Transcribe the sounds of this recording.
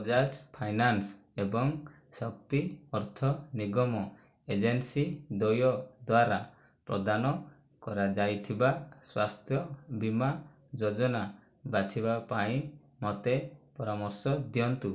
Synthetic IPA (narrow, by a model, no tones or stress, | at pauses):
d͡ʒad͡ʒpʰajnansebɔŋ | sɔk̚t̪iɔɾt̪ʰɔniɡɔmɔ | ed͡ʒensid̪ojɔd̪waɾa | pɾɔ̰d̪anɔ | kɔɾad͡ʒajt̪ʰibaswast̪ʰjɔbima | d͡ʒod͡ʒɔna | bat͡ʃʰiβapaĩ | mɔt̪epɔɾamɔsjɔd̪jɔnt̪u